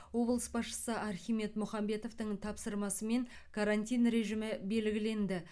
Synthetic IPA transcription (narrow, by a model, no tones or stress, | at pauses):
wo̞blˠəsbɑsʃə̥səʔɑɾχʲijme̞t̪mʊχɑmbe̞t̪o̞ft̪əɴt̪ʰɑpsəɾmɑsəme̞ŋ | kʰaɾanʲt̪ʲijnɾe̞ʒɪmɪbe̞lɡʲɪle̞nd̪ɪ